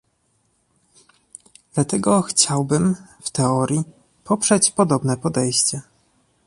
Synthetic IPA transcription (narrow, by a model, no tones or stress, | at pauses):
d̪̥lat̪ɛɡɔxt͡ɕawbɘmft̪ɛɔɾʲji | pʰɔpʂɛt͡ɕpɔd̪ɔbnɛpɔd̪ɛjɕt͡ɕɛ